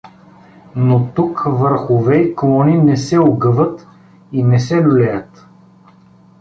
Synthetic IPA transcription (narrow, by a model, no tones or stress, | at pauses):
not̪ukvəɾxʊvɛiklˠɔninɛsɛoɡɤvət̪ | inɛsɛnʊlɛjət̪